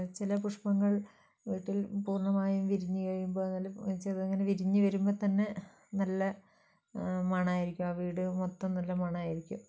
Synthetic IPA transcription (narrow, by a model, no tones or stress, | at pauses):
t͡ɕilɐpuʂpɐŋːɐɭ | ʋiːʈːilpuːrɳɐmaːjumʋiɾiɲːukɐjumboːnːɐlɐt͡ɕːɐðɨeŋːɐneʋiɾiɲːuʋɐɾumboːt̪ɐnːe̞ | nɐlːɐ | mɐɳaːjiɾikʲːumaʋiːɽɨmot̪ːɐmnɐlːɐmɐɳaːjiɾikʲːum